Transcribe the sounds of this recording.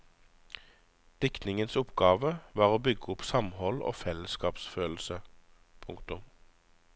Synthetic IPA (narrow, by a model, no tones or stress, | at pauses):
d̪̥ɪknɪŋənsʊpɡɑːʋəʋɑːʁoːbʏɡəʊpsɑmhɔlo̰ːfɛləskɑːpsføːl̩sə | pʰʊŋkt̪ʊm